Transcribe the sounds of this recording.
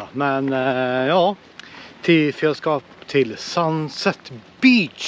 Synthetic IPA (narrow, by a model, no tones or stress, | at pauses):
mɛnjɑː | t̪ʰɪfølskɑːpt̪ʰɪlsɑnsɛt̪b̥iːt͡ʃ